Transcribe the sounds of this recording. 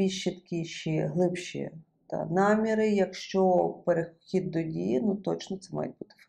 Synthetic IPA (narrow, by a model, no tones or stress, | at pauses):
bʲiʃːit̪ɐ̥kʲiʃiɦlˠɪpʃḭ | t̪ɑ̰nɑmʲiɾɪjɐkʃt͡ʃɔpeɾexʲid̪̚ːɔdʲḭjɪnut̪ɔt͡ʃnɔt̪sɛmɑ̰jet̚ʲbut̪ɪ̥f